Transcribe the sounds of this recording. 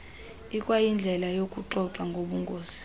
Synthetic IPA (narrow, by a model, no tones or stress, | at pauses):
ikʼwajind͡ɮʱɛlajokʼuǃɔǁaŋɡʱoɓuŋɡʱoːz̥i̥